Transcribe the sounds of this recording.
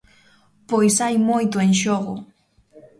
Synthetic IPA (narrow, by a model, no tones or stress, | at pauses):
pojsajmojt̪oenʃoɢo̰